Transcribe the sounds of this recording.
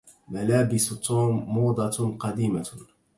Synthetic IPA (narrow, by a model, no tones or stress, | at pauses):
malaːbɪst̪ˤːuːmːuːd̪ˤɑqɑd̪iːma